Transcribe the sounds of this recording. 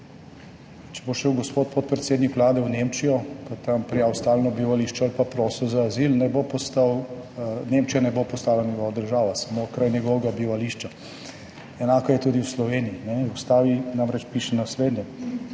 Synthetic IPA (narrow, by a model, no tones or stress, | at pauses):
t͡ʃɛboʃewɡɔspot̪̚pot̪̚pɾɛt̪seːd̪nikʋlaːd̪ɛwnemt͡ʃijɔpat̪ampɾijaːwst̪aːlnɔbiʋaliːʃt͡ʃɛalpapɾɔːsɛwzaːzilnɛbopɔst̪aw | nemt͡ʃijanɛbopɔst̪aːlanjɛɡɔːʋad̪əɾʒaːʋasamokɾajnʲɛɡɔːʋɛɡabiʋaliːʃt͡ʃa | ɛnaːkɔjɛt̪uːd̪iwslɔʋeniːnɛust̪aːʋinamɾɛt͡ʃpiʃɛnasleːd̪nʲɛ